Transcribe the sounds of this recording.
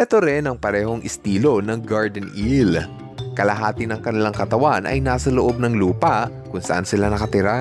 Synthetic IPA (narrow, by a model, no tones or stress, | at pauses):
ʔɛt̪o̞ɾɛnɐŋpɐɾɛːho̞ŋʔɪst̪iːlo̞nɐŋɡaɹd̪ɛnʔil | kɐlɐɦaːt̪ɪnɐŋkɐnɪlaŋkɐt̪ɐwanʔɐ̰jnaːsɐloʔo̞b̚nɐŋluːpɐʔ | kʊŋsɐʔansɪlanɐkɐt̪ɪɾa